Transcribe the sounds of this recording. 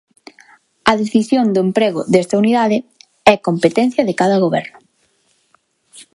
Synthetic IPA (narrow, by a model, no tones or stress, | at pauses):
ɐðeθisjond̪ʊempɾeɣʊ̰ðɛst̪ɐuniðaðɪ | ɛkompet̪ɛn̟θjɐðɪkaðɐɣoβɛ̰ɾnʊ